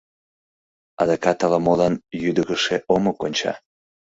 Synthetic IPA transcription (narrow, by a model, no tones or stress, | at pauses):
ɑ̰d̪ɑkɑt̪ɑlɑmolɑnjyd̪əɣəʃeʔomokonʲt͡ɕɑ̰